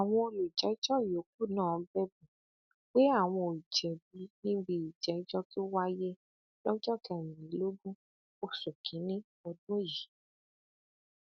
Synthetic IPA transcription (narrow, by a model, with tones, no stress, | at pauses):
a˨w̃ɔ̃˧o˧lu˨d͡ʒɛ˨˦i˦t͡ʃɔ˦˨o˨˦k̚u˦˨nãː˦˨˧bɛ˦bũ˨ | k͡pe˦a˦˨w̃ɔ̃˧˨i˨d͡ʒɛ˨bi˧nĩ˦ɡ͡bi˧i˨d͡ʒɛ˨i˦d͡ʒɔ˧ki˦o˦wa˦je˦ | lɔ˦d͡ʒɔ˦˨kɛ˧˨mĩ˨ĩ˨˦lo˦ɡũ˦ | o˧so˨kʰĩ˨˦nĩ˦ | ɔ˧dũ˦˨ji˨˦